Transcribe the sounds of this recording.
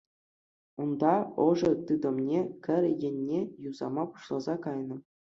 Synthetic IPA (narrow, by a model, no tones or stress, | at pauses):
und̪ɑɤ̆ʐɤ̆t̪ɯd̪ɤ̆mnʲekʲɘ̆rʲjɘ̆nʲːejuzɑmɑpu̥ɕlˠɑzɑkɑjnɤ̆